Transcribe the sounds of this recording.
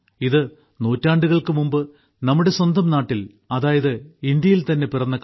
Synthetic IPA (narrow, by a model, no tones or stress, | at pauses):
iðɨ | no̞ːtːaːɳɖuɣɐɭkɨmumbɨ | nɐmːuɽe̞swɐnd̪ɐmnaːʈːil | ɐðaːjɐðɨind̪jɐjilt̪ɐnːepirɐnːɐk